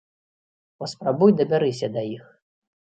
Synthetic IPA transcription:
pɐspɾabujd̪ɐbʲaɾɨsʲɐd̪ɐjix

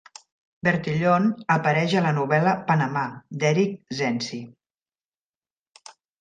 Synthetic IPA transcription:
beɾt̪iʎonəpəɾɛʒələnuβɛləpənəmad̪ɛɾik̚zɛnsi

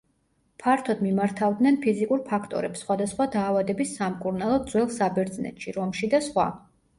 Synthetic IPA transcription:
pʰaɾt̪ʰɔd̪mimaɾt̪ʰavd̪nɛnpʰizikʼuɾpʰakʰt̪ʼɔ̰ɾɛpsχwad̪asχwad̪aːvad̪ɛbisːamkʼuɾnalˠɔdd̪zwɛlˠsabɛɾd̪znɛ̰t̪ʃiɾɔmʃid̪asχwa̰

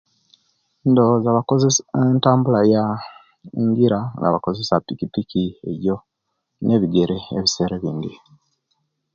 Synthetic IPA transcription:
ndozaβakozesentaːmbulaja | ŋɡiɾaŋɡa̰βako̞zesapikipikie̞̰βjo̞ | ne̞βiɡe̞ɾeːβise̞ːɾeβiːndi

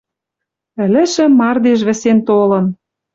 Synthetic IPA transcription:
ɘ̆lɘ̆ʃɘ̆mːɑrd̪eʃ̬βɘ̆sent̪olɤ̆n

